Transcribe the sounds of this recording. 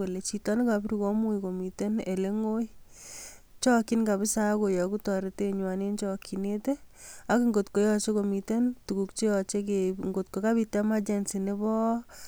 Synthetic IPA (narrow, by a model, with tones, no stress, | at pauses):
e˨le˨t͡ʃi˨tɔ˦ne˦ka˨bɾi˨kɔ˦mu˦iko˨mi˨te˦ne˨le˦ŋo˦j | t͡ʃɔ˦ki˦nka˨bi˦sa˦ko˨jɔ˨ku˦tɔ˨ɾe˨˦te˦ɲwa˨ne˦nt͡ʃɔ˦kʰi˨ne˦te˦a˦ki˦ŋɡo˨tko˨jɔ˧t͡ʃe˦ko˨mi˨te˦ntu˨ku˨kt͡ʃe˦jɔ˨t͡ʃe˦keŋɡo˨t̚ko˨ka˦bi˧ta˦ma˦t͡ʃɛ˨nsi˨ne˦bɔ˦